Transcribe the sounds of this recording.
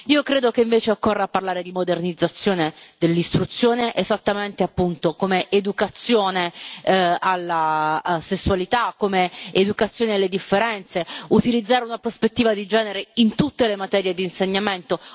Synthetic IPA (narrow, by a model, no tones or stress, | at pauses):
iːokɾeːd̪okeiɱveːt͡ʃeokːorːeapːarlaːɾed̪imod̪ernid̪zːat̪sːjoːned̪elːist̪ɾut̪sːjoːneʔezat̪ːament̪eapːunt̪okomeʔed̪ukat̪sːjoːne | alːasesːualit̪akːomeed̪ukat̪sːjoːnealːed̪ifːeɾɛnt̪seut̪ilid̪zːaːɾeunapɾospet̪ːiːvad̪id͡ʒɛːneɾeint̪ut̪ːelemat̪ɛːɾjed̪iːnseɲːament̪o